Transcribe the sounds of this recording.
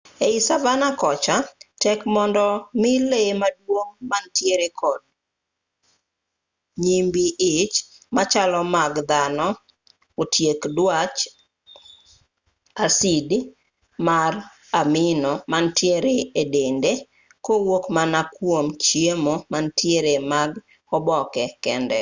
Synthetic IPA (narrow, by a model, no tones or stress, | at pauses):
eisavanakɔt͡ʃatɛkmɔndɔmɪlemadwoŋmantjeɾekʰɔd̚ | ɲimbiɪt͡ʃ | mat͡ʃalɔmaɡd̪anɔ | otjekdwat͡ʃ | asid | mar | amɪnɔmantʰjeɾeedende | kowokmanakwomt͡ʃjemomantjeɾemaɡ | ɔbɔkɛkɛndɛ̰